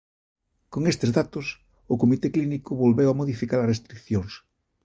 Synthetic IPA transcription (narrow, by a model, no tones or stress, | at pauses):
koŋest̪ezðat̪ʊs | ʊkomit̪eklinikʊβolβewamoðifikaɾɐsrest̪ɾikθjoŋs